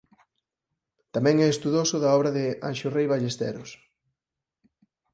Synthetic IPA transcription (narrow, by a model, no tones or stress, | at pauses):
t̪amɛ̃ŋɛest̪uðosʊðɐɔβɾaðɪa̰nʃorejβaʎest̪ɛ̰ɾʊs